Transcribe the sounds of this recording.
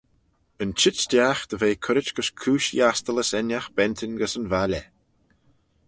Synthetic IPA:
ənt͡ʃɪtdʲaxd̪̥əveːkʰʊɾɪt͡ʃɡ̥əskʰuːʃjast̪ələsɛnjaxb̥ɛnt̪ʰɪnɡəsənvalʲɛ

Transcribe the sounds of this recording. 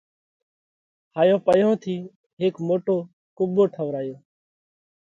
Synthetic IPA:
haːjõːpəjõːt̪ʰiː | ɦɪːkmoːʈoː | kʊboːʈʰəʋɾaːjoː

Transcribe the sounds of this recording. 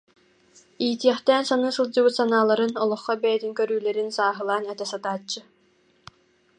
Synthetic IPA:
iːt̪iɛχt̪ɛːnsanɯːsɯlˠd͡ʑɯbɯt̪sanaːlˠaɾɯnɔlˠɔχːɔbɛjɛt̪iŋkœɾyːlɛɾinsaːɦɯlˠaːnɛt̪ɛsat̪aːt͡ɕːɯ

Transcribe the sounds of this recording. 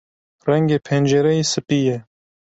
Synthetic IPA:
rɛŋɡeːpʰend͡ʒeɾɛjiːsɨpijɛ

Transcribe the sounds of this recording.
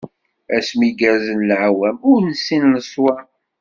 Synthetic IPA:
æsmiɡæɾzənlʕwæmʊɾnəsːinləsˤwæ

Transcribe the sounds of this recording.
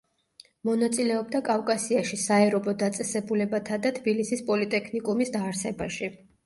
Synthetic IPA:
mɔnat̪sʼilɛɔbd̪akʼafkʼasiaʃisaɛɾɔbɔd̪at̪sʼɛsɛbulɛbat̪ʰad̪at̪ʰbilisispʼɔlit̪ʼɛkʰnikʼumisd̪aːɾsɛbaʃi

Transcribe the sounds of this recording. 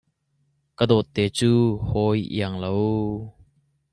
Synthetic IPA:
kəd̪ɔt̪ːɛːt͡suːhɔjʔḭəŋlow

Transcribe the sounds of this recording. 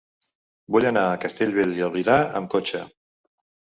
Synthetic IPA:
buʎanaəkast̪eʎβeliaβiðaə̰mkot͡ʃə̰

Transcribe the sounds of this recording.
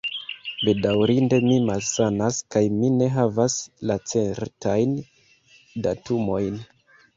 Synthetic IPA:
be̞dawɾinde̞mimalsanaskajmine̞ɦavaslat͡se̞ɾtajn | datumo̞jn

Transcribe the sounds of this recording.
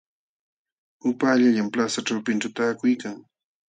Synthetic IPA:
ʊpaːʎaʎamplasaʈ͡ʂawpɪnʈ͡ʂʊt̪aːkʊjkaŋ

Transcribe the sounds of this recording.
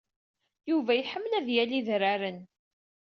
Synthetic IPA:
juvæjəħəmːlæðjæliðɾaɾən

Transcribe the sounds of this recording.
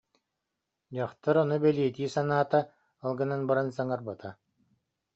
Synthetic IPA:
d͡ʑaχt̪aɾɔnɔbɛliɛt̪iːsanaːt̪a | ɯlˠɡɯnanbaɾansaŋaɾbat̪a

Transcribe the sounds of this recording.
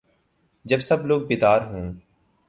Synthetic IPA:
d͡ʒəbsəbloːɡ̚bɪd̪aːɾɦũː

